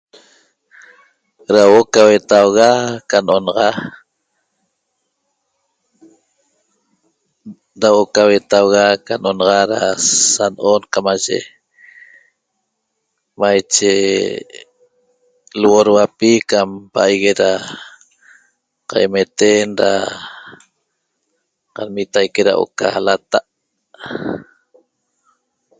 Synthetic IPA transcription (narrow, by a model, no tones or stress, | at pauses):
ɾawʔokawet̪awɣakanʔonɑʁɑ | ɾawʔokawet̪awɣakanʔonɑʁɑɾasanʔonkamaʒḛ | majt͡ʃe | lwoɾwapikampaajɣeɾa | qa̰jmet̪enɾa̰ | qanmit̪ajkeɾa̰ʔo̰ka̰lat̪aʔ